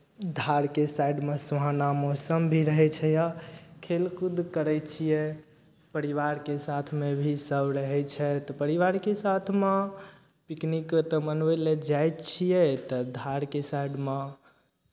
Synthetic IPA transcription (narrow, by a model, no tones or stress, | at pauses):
d̪ʱaɾkesaiɖmesuɦanamosəmbʱiɾəɦɛt͡ʃʰɛjakʰelkud̪ʱkəɾɛt͡ʃʰijɛ | pəɾiʋaɾkesat̪ʰmebʱisəbɾəɦɛt͡ʃʰɛt̪ɔpəɾiʋaɾkesat̪ʰme | piknikt̪ɔməneled͡ʒajtt͡ʃʰijɛt̪ɔd̪ʱaɾkesaiɖme